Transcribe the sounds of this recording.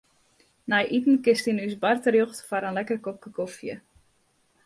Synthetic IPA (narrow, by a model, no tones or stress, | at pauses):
najʔitn̩kɪstinysbartərjoxtfaɾənlɛkərkop̚kəkofjə̰